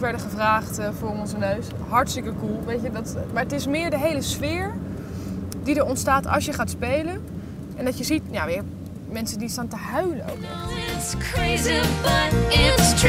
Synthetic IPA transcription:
ʋɛɹdəχəvraːχtvʊːrɔnzənøɥs | ɦɑɹtstəkəkulˠʋejtədɑtmaːɹətɪsmɪːɹdəɦejləsfɪːɹ | didəɹɔntstaːtʰɑ̰sjəχaːtspejlən | ɛndɑtjəzitnjaʋɪɹ | mɛnsəndistaːntəɦœɥləno̰wknɔ̰χskʰɹeɪzibɪst

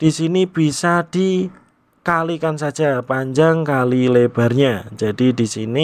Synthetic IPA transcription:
d̥isinib̥isad̥i | kalikansad̥d͡ʒ̥apaɲd͡ʒaŋkalileb̥a̤rɲad͡ʒ̥ad̥idisini

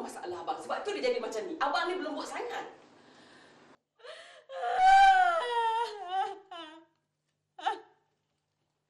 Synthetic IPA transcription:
masaʔalaɦbaŋsəbap̚t̪udid͡ʒadimat͡ʃamniʔabaŋnibəlumbɔʔsaŋat̪̚

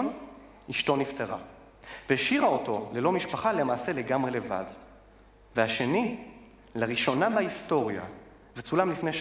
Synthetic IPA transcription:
n | iʃto̞nifteʁa̰ | veʃiʁaoto̞le̞lo̞miʃpaχalemaːse̞le̞ɡamʁe̞leva̰d | veaʃe̞ni | laʁiʃo̞nabaisto̞ʁja̰ | zet͡sulamlifnejʃ

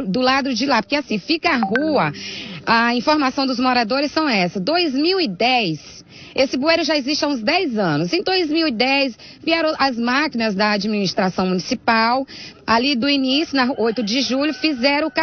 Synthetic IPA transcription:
d̪ʊlad̪ʊd͡ʒɪlapoɾkeasĩfikɐaɦuɐɐĩfoɾmasɐ̃w̃d̪ʊzmoɾad̪oɾɪsːɐ̃w̃ɛsɐd̪ojzmiwid̪ɛjs | esɪbueɾʊʒaeziʃt͡ʃɪaũzd̪ɛzɐ̃nʊsẽj̃d̪ojzmiwid̪ɛjs | viɛɾõʔɐzmakinɐzd̪ɐad͡ʒiminist̪ɾasɐ̃w̃mũnisipawalid̪ʊinisjʊnɐojt̪ʊd͡ʒɪʒuʎʊfizɛɾɐ̃ka

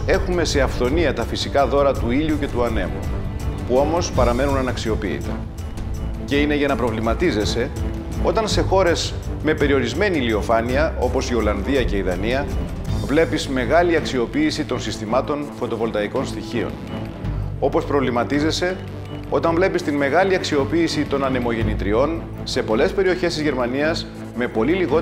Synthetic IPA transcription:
e̞xume̞se̞ɐft̪o̞niɐt̪ɐfisikɐðo̞ɾɐt̪uiʎuce̞t̪uɐne̞̰mṵpuo̞mo̞spɐɾɐme̞nunɐnɐksio̞pḭːt̪e | ce̞ine̞ʝɐnɐpɾo̞vlimɐt̪ize̞se̞ | o̞t̪ɐnse̞xo̞ɾe̞z | me̞pe̞ɾio̞ɾizme̞nilio̞fɐniɐʔo̞po̞sio̞lɐnðiɐce̞iðɐniɐvle̞pizme̞ɣɐliɐksio̞piːsit̪o̞nsist̪imɐt̪o̞nfo̞t̪o̞vo̞lt̪ɐiko̞nst̪içio̞̰n | o̞po̞spɾo̞vlimɐt̪ize̞se̞ | o̞t̪ɐɱvle̞pist̪inme̞ɣɐliɐksio̞piːsit̪o̞nɐne̞mo̞ʝe̞nit̪ɾio̞n | se̞po̞le̞spe̞ɾio̞çe̞st̪izʝe̞ɾmɐniɐs | me̞po̞liliɣo

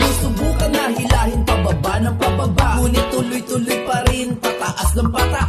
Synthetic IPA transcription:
mʊsʊbuːkɐnːɐhɪlaːhɪŋpɐbɐbaʔnɐŋpɐbɐbaʔŋuːnɪt̪ːʊlʊjt̪ʊlʊjpɐɾɪnpɐt̪ɐʔasnɐŋpɐt̪aʔ

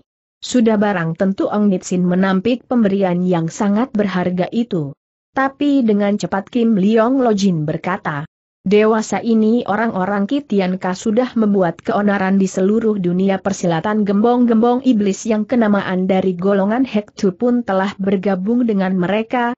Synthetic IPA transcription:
sudahbaɾaŋt̪ənt̪uʔɔŋnit̪sɪnmənampɪk̚pəmbəɾianjaŋsaŋat̪̚bərɦarɡaʔit̪u | t̪apidəŋant͡ʃəpat̪̚kɪmliɔŋlɔd͡ʒinbərkat̪a | dewasaʔinioɾaŋoɾaŋkit̪iankasudahməmbuat̪̚kəonaɾandisəluɾʊhduniapərsilat̪anɡəmbɔŋɡəmbɔŋʔiblɪsjaŋkənamaʔandaɾiɡolɔŋanhɛk̚t̪ʰupʊnt̪əlahbərɡabʊŋdəŋanməɾeka

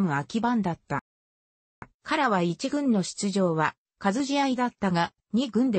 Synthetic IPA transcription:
mɯ̟akʲibãnd̪at̪ːa | kʰaɾaβait͡ɕiɡɯ̟̃nːo̞ɕi̥t͡sɨʑo̞ːβa | kazɨʑiaid̪at̪ːaɡa | ɲ̟iɡɯ̟̃nd̪e

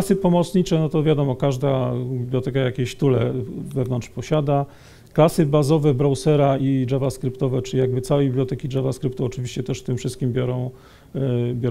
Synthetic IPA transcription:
sɘpɔmɔt̪sɲit͡ʂɛnɔt̪ɔvʲjad̪ɔmɔkaʐd̪abʲibljɔt̪ɛkajakʲeɕt̪ulɛ̰vɛvnɔnt̪ʂpɔɕad̪a | klasɘbazɔvɛbɾɔwsɛɾaiʐɛvaskɾɘpt̪ɔvɛt͡ʂɘlʲijaɡ̚bɘt̪sawɛbʲiblʲjɔt̪ɛkʲiʐavaskɾɘpt̪uɔt͡ʂɘvʲiɕt͡ɕɛt̪ɛʂt̪ɘmfʂɘst̪̚kʲimbʲjɔɾɔ̃w̃ | bʲjɔ

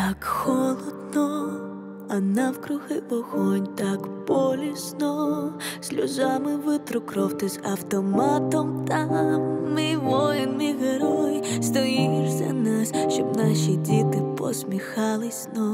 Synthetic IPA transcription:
t̪akxɔlˠɔd̪nɔ | ɐnawkɾʊɣɪlɔxɔnʲt̪akbɔlʲisnɔsʲlʲṵzamɪʋɪt̪ɾʊkɾɔwt̪ɪzɐwt̪ɔmat̪ɔmt̪ɐmɪʋɔjɪnɪɣeɾɔjst̪ɔjijɪʐzʲɐ̰nasʲʃt͡ʃɔbnaʃidʲit̪ɪpɔ̰sʲmʲixalˠɪsʲnɔ

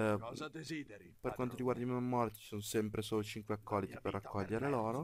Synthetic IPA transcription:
perkwant̪oɾiɡward̪aimamːɔɾat̪it͡ʃi̥sonosɛmpɾesoːlot͡ʃiŋkweakʰːɔlːit̪iperːakʰːɔʎːeɾeloːɾo

